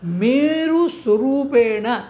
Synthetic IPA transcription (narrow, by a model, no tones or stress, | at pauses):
miːɾusɐɾuːpeːɳɐ